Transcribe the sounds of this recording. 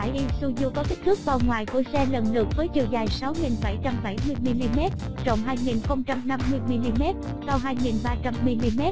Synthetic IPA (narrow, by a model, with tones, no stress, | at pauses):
a˧˩jɗi˧su˧zu˧kɔ˨˦t̪i˦˥k̚t̪ʰɨ˦˥k̚vaː˨˩wŋwaː˨˩jku˧˩əsɛ˧lə˨˩nlɨ̰˨˧˩ək̚vəː˨˦jt͡ɕi˨˩əwzaː˨˩jsa˨˦wŋi˨˩nɓa˧˩jt͡ɕa˧mɓa˧˩jmɨ˧əjmi˧li˧mɛ˦˥t̚t͡ɕə̰˧˨wŋ͡mɦaː˧jŋi˨˩nxə˧wŋ͡mt͡ɕa˧mna˧mːɨ˧əjmi˧li˧mɛ˦˥t̚ | sa˧wɦaː˧jŋi˨˩nɓaː˧t͡ɕa˧mːi˧li˧mɛ˦˥t̚